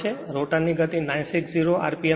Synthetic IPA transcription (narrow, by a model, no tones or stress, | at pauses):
eɾoʈanːiɡət̪inãjnsiksziɾoa̰ɾpie